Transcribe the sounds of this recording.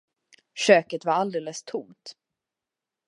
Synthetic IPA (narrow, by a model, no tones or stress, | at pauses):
ɕøːkət̪vaɾald̪eːləst̪ʰʊmt̪